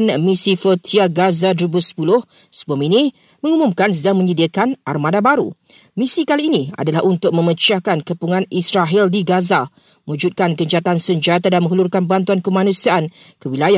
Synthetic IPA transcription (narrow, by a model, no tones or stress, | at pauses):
nmisifət̪ʰiaɡazadəɾubusə̥pulʊh | səbaminĩ | mə̃ŋumumkans̬ədaŋmə̃ɲədiakanʔa̰rmãdabaɾṵ | mĩsikaliːnia̰dalahʔunt̪ʊk̚mə̃mət͡ʃakankəpuŋãnisɾaɦildiɡaza | məwũd͡ʒut̪̚kankəɲd͡ʒat̪ansəɲd͡ʒat̪adanmə̃ŋɦulurkanbant̪uankəmãnũsiaʔankəwilaja